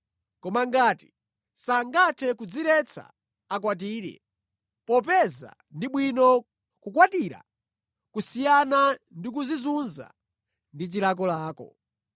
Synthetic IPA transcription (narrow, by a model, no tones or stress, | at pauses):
kɔmaŋɡaːti | saŋɡatʰɛkud͡ziɾɛt͡sʰa̰ | akwat̬iːɾɛ̰ | pɔp̬ɛza̰ | ndiɓwinɔ | kukwatiɾa̰ | kusijanandik̬uzizunza̰ | ndit͡ʃiɾak̬ɔlaːkɔ̰